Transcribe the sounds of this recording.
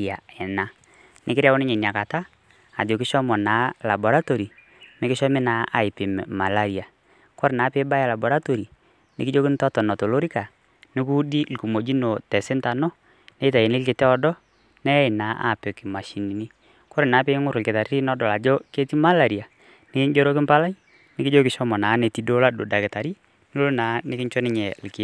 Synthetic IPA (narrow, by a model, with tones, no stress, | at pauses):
a˨ɛ˨na˨ | nɪ˦kɪ˦ɾa˦wɔ˦nɪ˦ɲe˨nja˨ka˨ta˦ | a˨d͡ʒo˨kɪ˦ʃɔ˦mɔ˨na˨˦la˨bɔ˨ɾa˦to˨ɾi˨ | mɪ˦kɪ˦ʃɔ˦mɪ˦na˨˦a̰˨ɪ˨pɪ˨m˨ma˨la˦ɾi˨a˨ | kɔ˦ɾɪ˨naː˨˦pɪ˦ba˦ja˨la˨bo˨ɾa˦to˨ɾi˨ | nɪ̰˦kɪ˦d͡ʒo˦kɪ˦n˦tɔ˦tɔ˨nɔ˨to˨lo˦ɾi˦ka˨ | nɪ˦ku˦di˦lku˨mo˨d͡ʒi˦no˨tɛ˨sɪ˦nta˨nɔ˦ | nɛ˦ta˨je˨nɪ˦lkɪ˨tɛ˦ɔ˨dɔ˦ | nɛ˦ɪ˨na˨˦ʔa̰˦˨pɛ˨kɪ˨ma˨ʃi˨ni˨ni˦ | kɔ˦ɾɪ˨naː˨˦pe˦ŋʊ˦ɾlkɪ˨ta˨ɾɾi˦nɔ˦dɔ˨la˨d͡ʒɔ˦ke˦ti˦ma˦la˨ɾi˨a˨ | nɪ˦kɪ˦ɲd͡ʒo˦ɾo˦kɪ˦mpa˦la˦j | nɪ˦kɪ˦d͡ʒo˦kɪ˨ʃɔ˦mɔ˨na˨˦ne˨ti˨˦do˦la˦do˨da˨kɪ˨ta˨ɾi˦ | nɪ˦lo˦na˨˦nɪ˦kɪ˦ɲt͡ʃɔ˦nɪ˦ɲɛ˨lkɪ˨˦